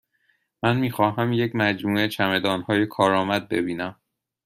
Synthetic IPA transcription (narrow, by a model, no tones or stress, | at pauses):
mænmiːxɒːɦæmje̞cmæd͡ʒmuːe̞t͡ʃʰæme̞d̪ɒːnhɒːjekʰɒːɾɒːmæd̪̚be̞biːnæm